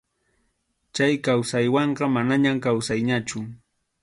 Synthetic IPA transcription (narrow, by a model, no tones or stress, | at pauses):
t͡ʃajkawsajwɑɴɢɑmanaɲamkawsajɲat͡ʃʊ